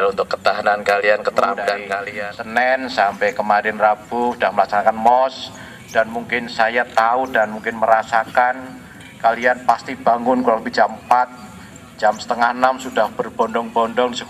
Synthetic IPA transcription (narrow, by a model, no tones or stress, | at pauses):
lunt̪ʊkːə̥t̪aɦanankaliankət̪əɾadaɡankalisənɛnsampɛjkəmaɾɛnrab̥ʊudahməlaksanakanmɔs | d̥anmuŋkɪnsajat̪audanmuŋkɪnməɾasakan | kalianpast̪ib̥aŋʊnkulɔləbid͡ʒampat̪̚ | d͡ʒamsə̥t̪əŋahnamsudahb̥ərb̥ɔndɔŋbɔndɔŋdisək